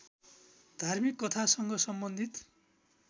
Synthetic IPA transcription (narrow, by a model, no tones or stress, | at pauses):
d̪̥ʱarmikːʌt̪ʰasʌŋɡʌsʌmbʌnd̪ʱit̪